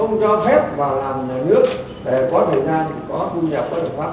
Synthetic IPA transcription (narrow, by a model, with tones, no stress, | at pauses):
ə˧wŋ͡mt͡ɕɔ˧fɛ˦˥p̚vaː˨˩laː˨˩mnaː˨˩jnɨ˦˥ək̚ | ɗe˧˩kɔ˨˦t̪ʰəː˨˩jzaː˧n˧˩kɔ˨˦t̪ʰu˧ɲaː˨˩p̚kɔː˨˦j̪tʰə˨˩kwaː˦˥